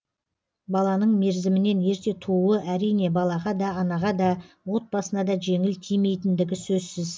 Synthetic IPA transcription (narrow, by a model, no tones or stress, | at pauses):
bɑlˠɑnəɴme̞ɾzɪmɪne̞ne̞ɾt̪e̞t̪ʰuəʔæɾijne̞bɑlˠɑʁɑd̪ɑːnɑʁɑd̪ɑ | wo̞t̪̚bɑsənɑd̪ɑʒe̞ŋɪlt̪ʰijme̞jt̪ɪnd̪ɪɡʲɪsɵzsɪz